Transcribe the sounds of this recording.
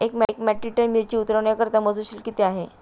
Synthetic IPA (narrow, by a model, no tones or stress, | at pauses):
ekmɛkmɛʈɾiʈəɾmiɾt͡ɕiːut̪ɾəʋɳjakəɾt̪aməd͡zuɕilkit̪eaɦe